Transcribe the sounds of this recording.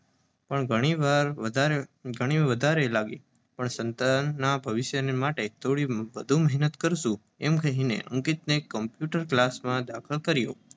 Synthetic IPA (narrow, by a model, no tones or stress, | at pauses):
pəɳɡʱəɽ̃iʋaɾəaɾeɡʱəɽ̃iʋəd̪ʱaɾelaɡi | pəɳsənt̪anːabʱəʋɪʃjənemaʈet̪oɽiʋəd̪ʱũməɦnət̪kəɾʃũ | emkəɦinḛṵ̃ŋkit̪̚nekːəmpjuʈəɾklasmãd̪akʰəlkəɾjo̰